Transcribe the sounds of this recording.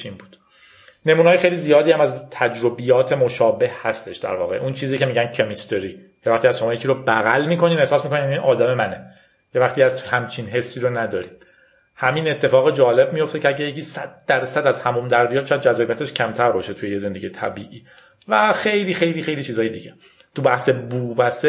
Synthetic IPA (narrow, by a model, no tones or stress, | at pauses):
imbuːd̪̥ | ne̞muːnɑːjexe̞jlizijɒːd̪iːæmæzt̪ʰæd͡ʒɾobijɒːt̪ʰe̞mo̞ʃɒːbe̞hhæst̪e̞ʃd̪æ̰ɾvɒ̰ːɣe̞̰ʔunt͡ʃʰiːziːcʰe̞miːɟæncʰemist̪eɾiː | jevæχt̪iːæzʃoɒːjecʰiːɾobæɣælmiːkʰo̞niːnehsɒːsmiko̞ninjæniʔɒːd̪æmemæne | jevæχt̪iæzhæmt͡ʃʰinɦe̞sːiːɾonæd̪ɒːɾiːd | hæmine̞t̪ʰːe̞fɒːɣed͡ʒɒːle̞b̚mijo̞ft̪ecʰeæɟejeciːsæ̰d̪̚d̪̥æɾsæd̪æzhæmumd̪æɾbijɒːʃɔjæd̪̚d͡ʒæzːbijæt̪ʰe̞ʃcʰæmt̪ʰæɾbɒːʃet̪ʰujejeze̞nd̪e̞ɟijet̪ʰæ̰biːʔiː | væxe̞jliːxejliːxejliːt͡ʃʰiːzɒːjed̪ḭɟe | t̪ʰubæhsebuːvæse